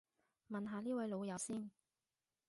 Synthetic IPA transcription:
mɐ˨nɦaː˨˧liː˥wɐ˨˧jlo˨˧wjɐ˨˧wsiː˥n

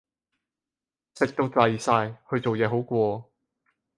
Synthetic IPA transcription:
sɪ˨k̚t̪o˧wt͡sa˨jsaː˧jhɵ˧ɥt͡so˨wjɛː˨˧ɦo˨˥wkʷɔː˧

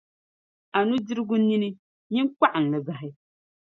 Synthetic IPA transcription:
a˨nu˦dɪ˦ɾɨ˦ɡʊ˦ni˦ni˦ | ɲi˦k͡pa˦ʔɨ˨n˨lɨ˨za˨ɦɪ˦

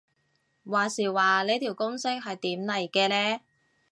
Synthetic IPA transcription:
waː˨˩siː˨˩waː˨le˨˧jt̪ʰi˨˩wkʊ˥ŋsɪ˥k̚ɦɐ˨jt̪iː˨˥mnɐ˨jkɛː˧lɛː˥

